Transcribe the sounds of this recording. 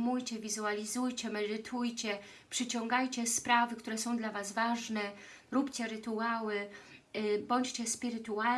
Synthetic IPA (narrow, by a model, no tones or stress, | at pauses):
mujt͡ɕɛvʲizualʲizujt͡ɕɛmɛd̪ɘt̪ʰujt͡ɕɛ | pʂɘt͡ɕɔ̃ŋɡajt͡ɕɛspɾavɘkt̪uɾɛsɔ̃w̃d̪lavazvaʐnɛ | ɾupt͡ɕɛɾɘt̪uawɘ | bɔɲt͡ɕt͡ɕɛspʲiɾɘt̪ua